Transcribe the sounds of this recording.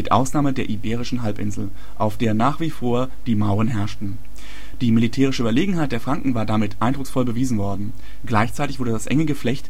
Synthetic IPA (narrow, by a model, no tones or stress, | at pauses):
mɪtʔa̰ʊsnaːmədeːɐʔibeːʁ̞ɪʃn̩ɦalpʔɪ̰nzl̩ | ʔaʊfd̥eːɐnaːχv̥iːfoːɐ | d̥iːmaʊʁ̞ənɦɛɐʃtn̩ | d̥iːmilitʰɛːʁ̞ɪʃəyːbɐleːɡŋ̩ɦaɪt̚d̥eːɐfʁ̥aŋkŋ̩vaːɐdamɪtʰʔaɪndʁʊksfɔlbəviːzn̩vɔɐdn̩ | ɡlaɪçt͡saɪtɪçvʊɐdədasʔɛ̰ŋəɡəflɛçt